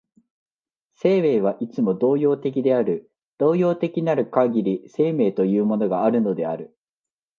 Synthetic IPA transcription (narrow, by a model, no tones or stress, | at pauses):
se̞ːβe̞ːβ̞aʔit͡sɨmo̞d̪o̞ːjo̞ːt̪e̞kʲid̪e̞aɾɯ̟ | d̪̥o̞ːjo̞ːt̪e̞kʲinaɾɯ̟kaɡʲiɾʲise̞ːme̞ːt̪o̞jɯ̟ːmo̞no̞ɡaːɾɯ̟no̞d̪e̞aɾɯ̟